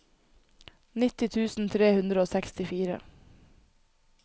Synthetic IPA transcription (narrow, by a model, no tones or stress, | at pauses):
nɪt̪ɪt̪ʰʉːsn̩t̪ʰɾeːhʉnd̪ɾəoːsɛkst̪ɪfiːɾə̰